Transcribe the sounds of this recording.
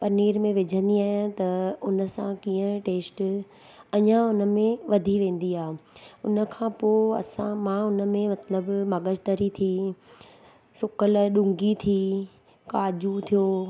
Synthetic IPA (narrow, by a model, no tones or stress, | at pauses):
pɐniːɾmẽʋɪd͡ʑʱə̃nd̪iaːɦɪ̃t̪ɐʊnə̆sãkiːə̃ʈeːsʈ | ɐɲãʊnə̆mẽʋɐd̪ʱiʋẽːn̆d̪iaːeʊnə̆kʰãːpoːɐ̰sãmãʊnə̆mẽmɐt̪ləbmɐɠəd͡ʑt̪əɾit̪ʰi | sʊkəlɗʊ̃ŋɡit̪ʰi | kaːd͡ʑut̪ʰijoː